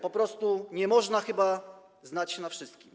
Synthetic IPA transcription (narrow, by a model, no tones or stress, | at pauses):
pɔpɾɔst̪uɲɛmɔʐnaxɘba | znat͡ɕnafʂɘst̪̚kʲim